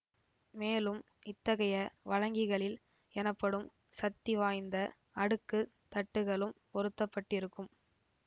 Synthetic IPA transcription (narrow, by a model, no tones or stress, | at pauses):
meːlɯm | ɪt̪ːɐɣɐjɐʋɐɻɐŋɡɪɣɐɭɪl | ɛnɐpːɐɽɯm | sɐt̪ːɪʋaːjnd̪ɐ | ɐɽɯkːɯ | t̪ɐʈːɯɣɐɭɯmpɔɾɯt̪ːɐpːɐʈːɪɾɯkːɯm